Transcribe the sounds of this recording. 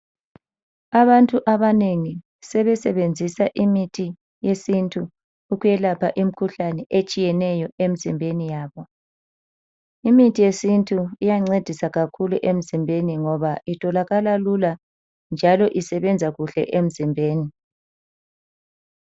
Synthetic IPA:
aβantʼuʔaβaneŋi | sɛβɛsɛβend͡zʱisaʔimitʰi | jesintʰʼuː | ɣujɛlapʰaʔim̩kʰuɬanɛʔet͡ʃʼijɛnɛjɔem̩zimbʱenijaːβɔ | imitʰijesintʰʼuijaŋ͡ǀed̥ʱisaɣakʰulṵʔem̩zimbʱeniŋɔβaʔitʼʰɔlaɣalalula | nd͡ʒʱalɔʔisɛβɛnd͡zʱaɣuɬɛ̰ʔem̩zimbʱeːni

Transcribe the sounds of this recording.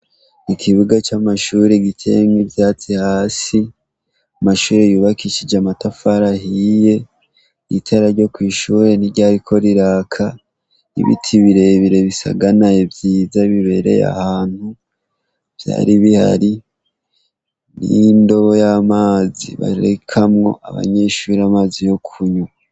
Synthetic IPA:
ikʰiβuɡat͡ʃamaʃuːɾeɡitʰe̞̰ːŋɡivjaːt͡sihaːsi | amaʃuːɾe̞juːβakiʃid͡ʒamatafaɾahije̞ | itʰaɾaɾɟo̞kwiːʃuːɾe̞niɟaːɾikʰo̞ɾiɾaːkʰa | ḭβḭtʰiβiɾe̞βiɾe̞βisa̰ɡanaevjiːzaβiβe̞ɾe̞̰ja̰haːn̥hu | v̥ja̰ːɾiβiha̰ɾi | nḭndo̞βo̞jamaːzḭβa̰ɾekʰamŋo̞̰ʔa̰βa̰ɲe̞ʃuːɾamaːzijo̞kʰuɲu

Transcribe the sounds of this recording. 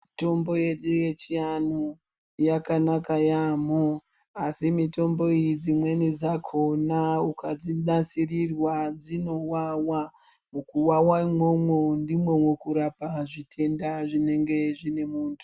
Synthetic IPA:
to̞mbo̞je̞ɗuje̞t͡ʃianu | jakanakajamo | asimito̞mbo̞ijid͡zimwe̞nid͡zakʰo̞naukad͡ziɗasirirwad͡zino̞wawamukuwawaimwo̞mwondimwomwekuɾapaʐitʰe̞ndaʐine̞ŋɡe̞ʐine̞muːntʰu̥

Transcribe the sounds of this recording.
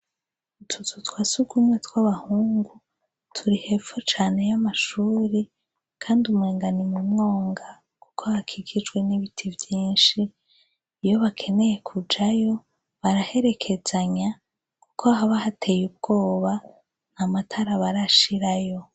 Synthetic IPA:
utʰuzutwaːsuɡumwetwaβahuːŋɡu | tʰuɾihe̞fot͡ʃaːne̞jamaʃuːɾi | kʰaːndumwe̞ːŋɡanimumŋo̞ːŋɡa | kukʰohakʰiɡid͡ʒɡwe̞niβitʰivjiːnʃiː | jo̞βakʰe̞ne̞je̞kʰud͡ʒajo̞ | βaɾahe̞ɾe̞kʰe̞z̥aɲa | ku̥kʰohaβahatʰe̞jub̚ɡo̞ːβa | n̥hamatʰaɾaβaɾaʃiɾajo̞

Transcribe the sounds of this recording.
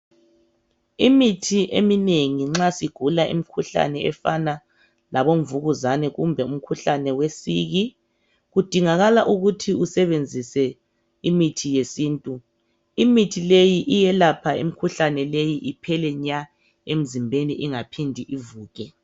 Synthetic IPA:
imitʰiʔemineŋiŋ͡ǁasiɡ̥ʱulaʔḭmikʰuɬa̰nɛɛfana | laβoɱvuɣuzanɛɣumbʱɛum̩kʰuɬanɛwesiːɣi | ɣud̥ʱiŋaɣalaʔuɣutʰiusɛβend͡zʱisɛ | imitʰijesiːntʼu | imitʰilejiʔijɛlapʰaimikʰuɬanɛlejiʔipʰɛlɛɲa | em̩zimbʱeniʔiŋapʰindʱiʔivuːɣʼɛ

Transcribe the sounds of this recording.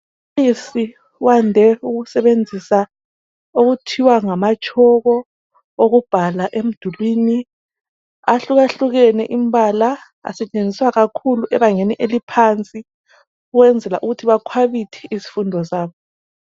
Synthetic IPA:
isi | wandʱɛuɣusɛβend͡zʱisa | oɣutʰiwaŋamat͡ʃʼɔɣɔ | oɣub̥ʱalaʔem̩d̥ʱulwiːni | aɬuɣaɬuɣɛnɛ̰ʔimbʱala | a̰sɛt͡ʃʼend͡zʱiswaɣakʰuluʔɛβaŋeniʔelipʰant͡sʼi | uɣɛnd͡zʱɛlaʔuɣutʰiβakʰwaβitʰɛ̥ʔisi̥fundʱɔsaːβɔ

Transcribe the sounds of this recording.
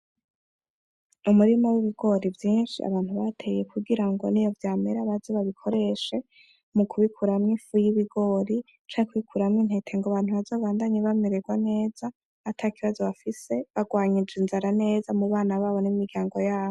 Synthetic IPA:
umuɾimowiβiɡ̥o̞ɾivjiːnʃḭa̰βaːnthuβatʰe̞je̞kuɡiɾaŋɡo̞̰nijo̞vjaːmeɾaβazoβaβikʰo̞ɾe̞ʃe̞ | mukuβikʰuɾamŋifujiβiɡo̞ːɾi | t͡ʃaːɲekuikʰuɾamŋin̥he̞tʰe̞ŋɡoβaːn̥uβazo̞ːβaːndaɲeβameɾeɡwane̞ːz̥a | atʰaːkiβazo̞βafise̞βaɡwaːɲid͡ʒinzaɾane̞ːzamuβaːnaβaːβo̞nimiɡɟaːŋɡo̞jaːβo

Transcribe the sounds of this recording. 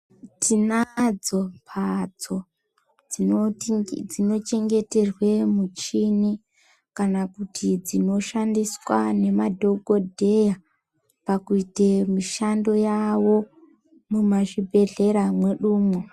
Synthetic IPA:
tʰinad͡zo̞pʰad͡zo̞ | d͡zi | d͡zino̞t͡ʃe̞ŋɡe̞te̞rwe̞mut͡ʃini | kanakutʰid͡zino̞ʃandiswane̞madʱo̞ɡʱodʱe̞ja | pakuitemiʃando̞jawo̞ | mumaʐibʱe̞ɮe̞ɾamweɗuːmwo

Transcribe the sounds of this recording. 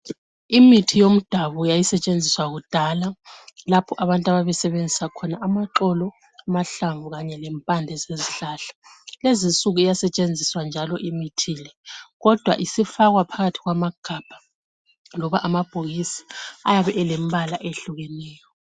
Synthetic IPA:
imitʰijom̩d̥ʱaβɔjajisɛt͡ʃʼend͡zʱiswaɣud̥ʱalalapʰɔʔaβantʼaβaβɛsɛβend͡zʱisakʰɔnaʔamaǁɔlɔ | amaɬaɱvuɣaɲɛlɛmpʼandʱɛzeziɬaːɬḁ | lezinsʼuɣuijasɛt͡ʃʼend͡zʱiswand͡ʒʱalɔʔimitʰiːlɛɣɔd̥ʱwa̰ʔisifaɣwapʰaɣatʰi̥ɣwamaɡ̥ʱab̥ʱa | lɔβaʔamab̥ʱoɣisi̥ajaβɛʔɛlɛmbʱalaʔeɬuɣɛnɛːjɔ

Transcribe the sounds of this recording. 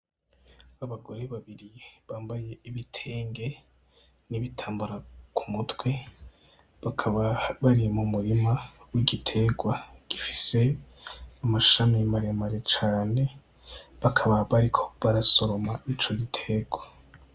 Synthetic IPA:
aβaɡo̞ɾe̞βaβiɾijeβaːmbaje̞iβitʰe̞ːŋɡe̞ | niβitʰaːmbuɾakʰu̥mutwe̞ | βakʰaβaβaɾimumuɾimawiɡitʰe̞ɡwaɡ̥ifi̥se̞ | amaʃamimaɾemaɾet͡ʃaːne̞ | βakʰaβaβaɾikʰo̞̥βaɾaso̞ɾo̞mait͡ʃo̞ɡitʰe̞ɡwa

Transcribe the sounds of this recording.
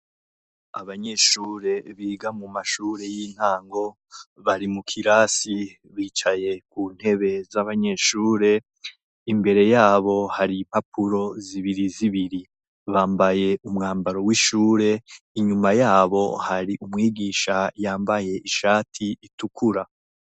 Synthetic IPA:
a̰βaɲe̞ʃuːɾe̞βiːɡamumaʃuːɾe̞jin̥haːŋɡo̞ | βaɾimukʰiɾaːsi | βiːt͡ʃaje̞kuːn̥he̞βe̞zaβaɲe̞ʃuːɾe̞ | imbe̞ɾe̞jaːβo̞haɾim̥hapʰuɾo̞ziβiɾiziβiɾi | βaːmbaje̞ʔumŋaːmbaɾo̞wiʃuːɾe̞ | iɲumajaːβo̞̰haɾiʔumŋiːɡiːʃajaːmbaje̞ʔiʃaːtʰiitukʰuɾa

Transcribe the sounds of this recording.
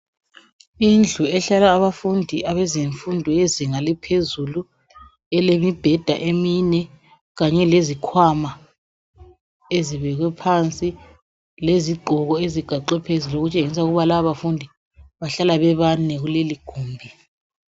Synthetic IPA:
ind͡ɮʱuɛɬalaːβafundʱiʔaβɛziɱfundʱɔeziŋalipʰezulu | ɛlemib̥ʱɛd̥ʱaʔeminɛ | ɣaɲɛlezikʰwama | eziβɛɣwɛpʰant͡sʼi | leziɡ͡ǃʱɔɣɔeziɡ̥ʱaǃɛpʰeziloɣut͡ʃʼeŋis̬auɣuβalaaβafundʱi | βaɬalaβɛβanɛɣuleliɡ̥ʱuːmbʱi

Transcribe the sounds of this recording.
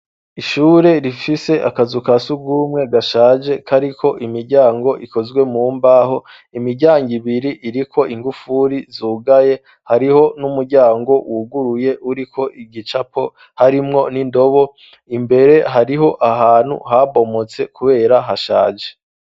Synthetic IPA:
iʃuːɾe̞ɾifise̞ʔa̰kazukasuɡumŋe̞ɡaʃaːd͡ʒe̞kʰaɾikʰo̞ʔimiɾɟaːŋɡo̞ʔiko̞zɡwe̞mumbaːɦo̞ | imiɾɟaːŋɡiβiɾiʔiɾikʰo̞ʔiŋɡufuɾizuːɡaje̞ | haɾiho̞numuɾɟaːŋɡo̞wuɡuɾuje̞ʔuɾikʰo̞ʔiɡit͡ʃapo̞ | haɾimŋo̞nindo̞βo̞ | imbe̞ɾe̞ɦaɾiɦo̞ʔaɦaːn̥hṵhaβo̞mo̞t͡se̞kuβe̞ːɾaɦaʃaːd͡ʒe̞̥

